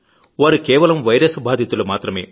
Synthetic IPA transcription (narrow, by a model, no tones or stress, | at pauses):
ʋaːɾukɛːʋɐlɐmʋɐjɾɐsbaːd̪ʱjɐt̪ulumaːt̪ɾɐme̞ː